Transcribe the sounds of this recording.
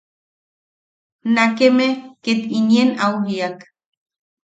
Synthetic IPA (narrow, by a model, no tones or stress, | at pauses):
nakemeket̪injenauɦiak